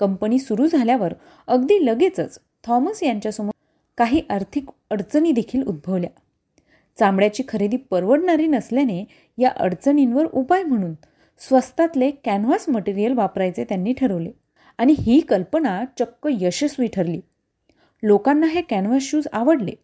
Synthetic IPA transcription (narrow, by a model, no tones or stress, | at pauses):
kəmpəniːsuɾuːd͡zʱaljaʋəɾ | əɡd̪iːləɡet͡sət͡s | t̪ʰɔməsjaɲt͡ɕjasəm | kaɦiːʔaɾt̪ʰik | əɽt͡səniːd̪ekʰiːlṵd̪̚bʱəʋlja | t͡sãmbɽjat͡ɕiːkʰəɾed̪iːpəɾʋəɽɳaɾiːnəsljane | jaʔə̰ɾt͡səninʋəɾupajm̤əɽ̃uːn | sʋəst̪at̪lekænʋasməʈiɾijəlʋapɾajt͡set̪janːiːʈʰəɾəʋle | aɽ̃iɦiːkəlpənat͡ɕəkːəjəɕəsʋiʈʰəɾliː | lokanːaɦekænʋasɕuːd͡zaʋəɽlḛ